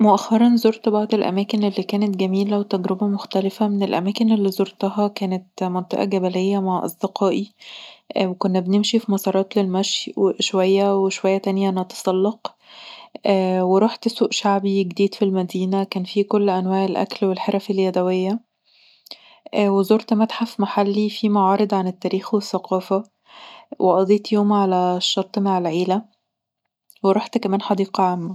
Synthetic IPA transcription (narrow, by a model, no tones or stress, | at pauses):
moʔæxːɑɾˤɑnzoɾt̪bɑʕd̪ˤelʔæ̰mæːkenelːiːkæːnet̪̚ɡæmiːlæwet̪ːæɡɾebæmoxt̪ælefæmenelʔæ̰mæːkenʔelːiːzoɾt̪ɑɦɑkæːnet̪mɑnt̪ˤḛʔɑ̰ɡæbælejːæmaʕʔɑ̰sˤd̪eqɑːʔi | wekonːæbenemʃifimɑsˤɑːɾˤɑːt̪lelmæʃjweʃowæjːæweʃowæjːæt̪ænjænɑt̪ɑ̥sˤɑlːɑq | ʔːweɾˤuːħt̪suːʔʃaʕbiɡd̪iːd̪filmæd̪iːnækæːnfikolːʔænwæːʕelʔæ̰klwelħeɾˤɑfelːjæd̪æwejːæ | ʔwezoːɾt̪mæt̪ħafmaħalːifimɑʕɑːɾˤed̪ˤʕanet̪ːæːɾiːxwesːæqɑːfæ | wʔeʔɑd̪ˤiːt̪joːmʕalæʃːɑɾˤt̪ˤmaʕelʕiːlæ | weɾˤuːħt̪kæmæːnħɑd̪iːqɑʕamːæ